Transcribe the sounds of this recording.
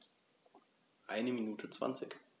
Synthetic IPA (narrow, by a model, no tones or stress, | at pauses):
ʔaɪnəminuːtʰət͡sv̥a̰nt͡sɪk